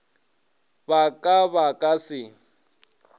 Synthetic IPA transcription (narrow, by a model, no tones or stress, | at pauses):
bakʼaβakʼasɪ